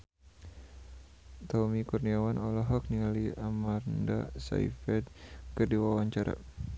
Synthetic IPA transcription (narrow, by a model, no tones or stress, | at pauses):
t̪ɔmikurniawanɔlɔɦɔk̚niliamarnda̰sa̰ḭfɛd̪̚kərdiwawaɲt͡ʃaɾa̰